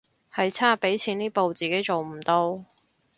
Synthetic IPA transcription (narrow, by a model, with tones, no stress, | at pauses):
hɐ˨jt͡sʰaː˥pe˨˥jt͡sʰiː˨˥niː˥po˨wt͡siː˨˩ke˨˥jt͡so˨wm̩˨˩t̪o˥w